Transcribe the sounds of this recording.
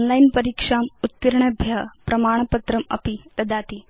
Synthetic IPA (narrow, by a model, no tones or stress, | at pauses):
nlainpɐɾikʂaːmut̪ːiɾɳɐbʱjɐpɾɐmaːɳ̃pɐt̪ɾɐmɐ̰pit̪ɐd̪aːt̪i